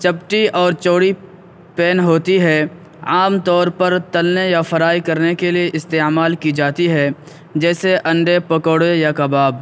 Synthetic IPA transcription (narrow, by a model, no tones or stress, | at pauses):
t͡ʃɐpʈiʔɔːɾt͡ʃoːɽi | pɛːnɦoːt̪iɦɛ | aːmt̪ɔːɾpəɾt̪ɐlnejafɐɾaːikɐɾnekelieʔɪst̪eːmaːlkid͡ʒaːt̪iɦɛ | d͡ʒɛːseʔɐ̃ɳɖepɐkoːɽejakɐbaːb